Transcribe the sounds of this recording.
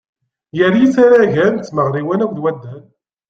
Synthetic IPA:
jəɾit͡saɾaʝænt͡sːməʁɾiwænækʷðwæd̪ːən

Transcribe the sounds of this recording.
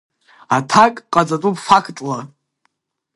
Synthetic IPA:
atʰakʼqʼad͡zʼatʼupʼfakʰtʼla

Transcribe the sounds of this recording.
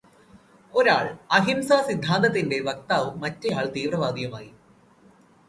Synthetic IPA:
o̞ɾaːɭɐɦimsaːsid̪ʱːaːnd̪ɐt̪̬ːinde̞ʋɐk̚t̪aːʋumːɐtːejaːɭt̪iːʋrɐʋaːd̪ijɐmaːji

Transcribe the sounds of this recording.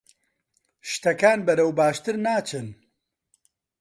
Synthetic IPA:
ʃt̪ɐkaːnbɐɾɐwbaːʃt̪ɨɾnaːt͡ʃʰɨn

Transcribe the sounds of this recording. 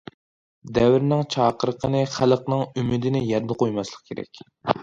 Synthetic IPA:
d̪ɛwɾnɪŋt͡ʃʰɑːqəɾəqʰənɨχælˠəqnɨŋymɪd̪ɪnɪjɛɾd̪əqʰojmɑslˠəq̚kʲʰeɾɛ̰kʲ

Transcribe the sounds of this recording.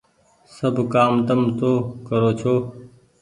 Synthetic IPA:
səbʱkaːmt̪əmt̪oːkəɾoːt͡ʃʰoː

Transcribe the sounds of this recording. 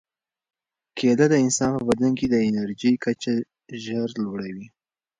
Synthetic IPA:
kʰelad̪əɪnsɑnpəbad̪laŋked̪əɪnaɾʒijkat͡ʃa | ʒəɾlwaɽawi

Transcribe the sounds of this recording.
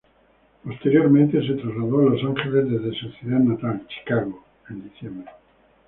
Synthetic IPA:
post̪eɾjo̞ɾmẽnt̪e̞s̬et̪ɾazlaðoalo̞saŋxelezðezðesuθjeðaðnat̪alt͡ʃi̥kaɣo | end̪iθjembɾe

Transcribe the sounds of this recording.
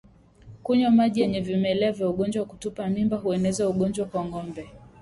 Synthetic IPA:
kuɲamaʄijɛɲɛvimɛlɛavjauɠɔnd͡ʒwaku̥tupamimbaɦuɛnɛzauɠɔnd͡ʒwakwaŋɡɔmbɛ

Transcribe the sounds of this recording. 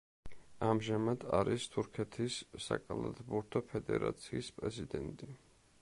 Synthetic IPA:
amʒamad̪̥aɾist̪ʰuɾkʰɛt̪ʰisːakʼalˠat̪ʰʼbuɾt̪ʰɔpʰɛd̪ɛ̰ɾa̰t̪sʰiːspʼɾɛzid̪ɛnt̪ʼi

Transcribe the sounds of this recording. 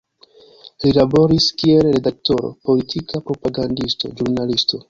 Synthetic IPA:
lilabo̞ɾiskie̞lɾe̞dak̚to̞ɾo̞̰po̞litʰikapɾo̞paɡandisto̞̰d͡ʒuɾnalisto̞

